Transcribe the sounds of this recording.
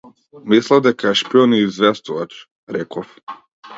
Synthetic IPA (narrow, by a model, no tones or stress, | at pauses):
mislˠavd̪ɛkaɛʃpiɔniːzvɛst̪uvat͡ʃ | ɾɛkʰɔf